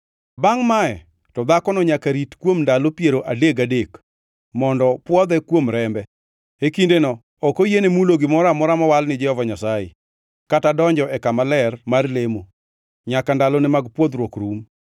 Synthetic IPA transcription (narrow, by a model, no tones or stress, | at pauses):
baŋmaɛ | tɔd̪akɔnɔɲakaɾitkwomndalopjeɾoʔadeɡadek | mɔndɔpwɔd̪ɛkwomɾɛmbɛ | hekindenɔ | ɔkojenemuloɡɪmɔɾamɔɾamɔwalnɪd͡ʒɛhɔvaɲasajḛ | katadɔɲd͡ʒɔʔɛkamalɛrmarlemo | ɲakandalonɪmaɡpwɔd̪ɾwokɾum